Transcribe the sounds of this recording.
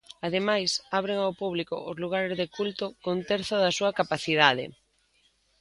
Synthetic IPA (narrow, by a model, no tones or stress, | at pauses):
aðemajsaβɾeŋawpuβ̞likʊ̰ʔʊzluɣ̞aɾezðekult̪ʊkont̪ɛɾθʊðɐsuɐkapaθiðað̞ɪ̰